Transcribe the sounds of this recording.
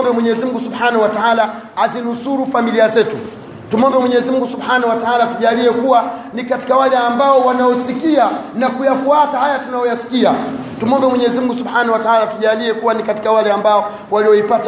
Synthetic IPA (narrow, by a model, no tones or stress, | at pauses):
mbɛmwɛɲɛzimuŋɡusubħanawataaːla | azinusuɾufamiliazɛtu | tumɔmbɛmwɛɲɛzimuŋɡusubħaːnahwataalatuʄaːliɛkuwanikati̥kawalɛambaɔwanaɔsikianakujafuatahajatunajɔjasi̥kia | tumuɔmbɛmwɛɲɛɛzimuŋɡusubħaːnawataaːlatuʄaːliɛkuwanikati̥kawalɛambaɔ | waliɔipat